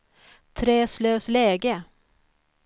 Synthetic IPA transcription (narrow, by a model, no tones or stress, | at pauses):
t̪ʰɾɛːsløːslɛːɡə